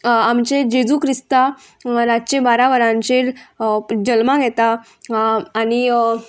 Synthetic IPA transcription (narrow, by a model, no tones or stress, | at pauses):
amt͡ɕed͡ʑed͡zukɾist̪a | ɾat͡ɕẽbaɾaʋəɾãɲt͡ɕeɾ | d͡ʑəlmãɡʱjɛt̪aː | ɽ̃i